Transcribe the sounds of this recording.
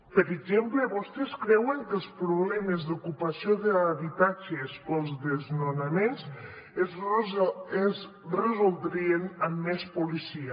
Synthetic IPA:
pəɾeʒempleβost̪eskɾɛweŋkəlˠspɾuβlɛmezðukupasioðeaβit̪ad͡ʒespolˠzðeznonamens | ez | rəzolˠd̪ɾienəmːɛspulisia

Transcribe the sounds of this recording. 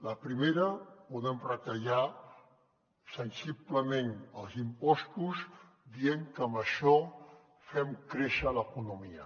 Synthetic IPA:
ləpɾimeɾəpuðɛmrət̪əʒa | sənsipləmenəlˠzimpɔst̪uz | d̪ieŋkəmbəʃɔ | fɛmkɾeʃələkunumiə

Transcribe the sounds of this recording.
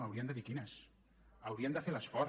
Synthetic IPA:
awɾiənd̪əβikinəs | əwɾiənd̪əfeləsfɔɾ

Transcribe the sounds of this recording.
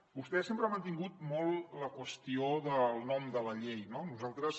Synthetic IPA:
bust̪ɛsempɾəamənt̪iŋɡut̪̚mɔlˠləkwəst̪ioðəlˠnɔmd̪ələʎejnonuzalˠt̪ɾəs

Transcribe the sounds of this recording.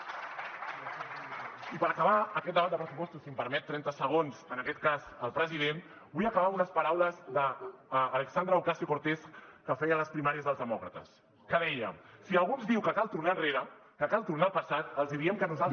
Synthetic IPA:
ipəɾəkəβaəkɛt̪d̪əβat̪̚d̪əpɾəsupɔst̪usimpəɾmɛt̪ːɾɛnt̪əsəɣ̞onzənəkɛt̪̚kazəlˠpɾəziðen | bujəkəβaunəspəɾawləzðəːləksand̪ɾəːwkasiokoɾt̪eskəfɛjələspɾimaɾiəzðəlˠzðəmɔkɾət̪ə̰s | kəðɛjə̰siəlˠɣunzdiwkəkalˠt̪urnaənreɾəkəkalˠt̪urnalˠpəsat̪əlˠzðiɾiəmkənuza

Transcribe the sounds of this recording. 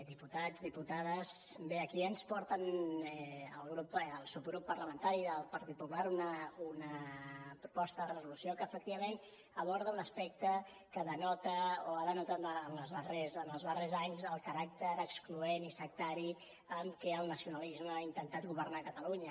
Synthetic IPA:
d̪iput̪ad͡zðiput̪aðəzbeəkiənspɔɾt̪ənɛəlˠɣɾupəlˠsupɣɾupːərləmənt̪aɾiðəlˠpəɾt̪it̪̚pupulaɾunəunəpɾupɔst̪əðərəzulusiokəːfək̚t̪iβəmen | əβ̞ɔɾðəunəspɛk̚t̪ə | kəðənɔt̪əoaðənut̪aːnəzðərezənəlˠzðərezaɲzəlˠkəɾak̚t̪əɾəkskluenisək̚t̪aɾi | əmkɛəlˠnəsiunalizməaint̪ənt̪at̪̚ɡuβərnakət̪əluɲə

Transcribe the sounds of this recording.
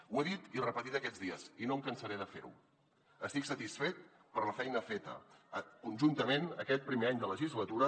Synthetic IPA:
weðit̪irəpət̪it̪əkɛd͡zðiəzinomkənsəɾeðəfḛɾṵ | əst̪iksət̪isfet̪̚ | pəɾləfɛjnəfet̪ə̰kunʲʒunt̪əmenəkɛt̪̚pɾimeaɲd̪ələʒizlət̪uɾə

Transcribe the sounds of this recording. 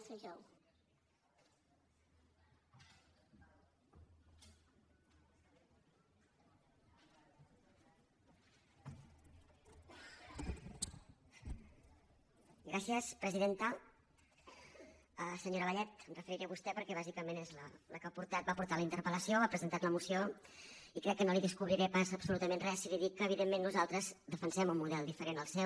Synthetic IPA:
seʒɔw | ɡɾasiəspɾəziðent̪ə | əsəɲoɾəβəʎɛt̪ənrəfəɾiɾeəβust̪ɛpəɾkɛβ̞azikəmenezlələkapuɾt̪at̪̚bapuɾt̪aləint̪əɾpələsioβapɾəzənt̪at̪ləmusio | ikɾɛkːənoliðəskuβɾiɾɛpasəːpsulut̪əmenrɛsiliðikːəːβ̞iðemːenːuzalˠt̪ɾəzd̪əfənsɛmumuðɛlˠd̪ifəɾenəlˠsɛw

